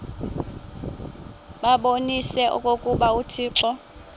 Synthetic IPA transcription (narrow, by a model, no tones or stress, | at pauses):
ɓaɓonisɛʔɔ̰kʼokʼuɓautʰiːǁɔ